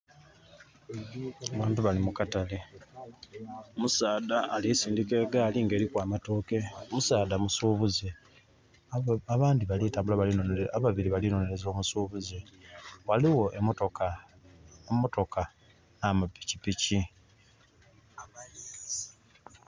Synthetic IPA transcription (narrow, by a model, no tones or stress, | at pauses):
aβaːntuβalimukatale | omusaːdaːlisiːndike̞ːɡaːliŋɡe̞ːɾikwaːmato̞ːke̞omusaːdamusuːβuze | aβaːndiβalitaːmbulaβalinoaβaβiɾiβalino̞ne̞ɾe̞zo̞ːmusuːβuzewaliwo̞ʔeotoka | mːo̞to̞ka | namapːi̥cipici